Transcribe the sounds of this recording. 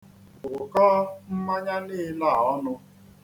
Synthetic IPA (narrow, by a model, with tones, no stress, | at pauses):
ʊ˨kɔː˦m̩˦ma˦ɲa˦lɪ˦la˦˨ɔ˦nʊ˦